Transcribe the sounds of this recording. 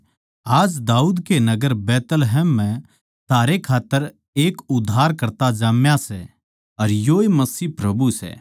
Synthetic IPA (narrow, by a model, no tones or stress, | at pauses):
aːd͡ʒd̪aːuːd̪kenɐɡəɾbɛːt̪əlɦɛːmːɛ̃ | t̪ʰaːɾekʰaːt̪ːəɾ | eːkʊd̪ʱːaːɾkɐɾt̪ad͡ʒaːmjasɛ | ɐɾjoːemɐsiːpɾɐbusɛ̰ː